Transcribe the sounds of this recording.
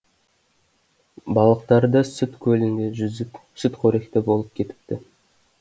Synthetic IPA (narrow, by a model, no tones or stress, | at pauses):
bɑlˠəqt̪ɑɾd̪əsʏt̪kʲʰɵlɪnd̪eʒʏzɪsʏt̪qʰɵɾe̞kt̪ɪbo̞lˠəp̚kʲʰe̞t̪ɪ̥p̚t̪ɪ